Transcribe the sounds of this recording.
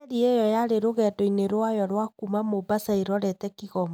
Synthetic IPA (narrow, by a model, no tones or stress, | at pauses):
ɾiejɔjaɾeɾoɣɛdɔineɾwajɔɾwakumamobasaeɾɔɾɛtɛkiɣɔm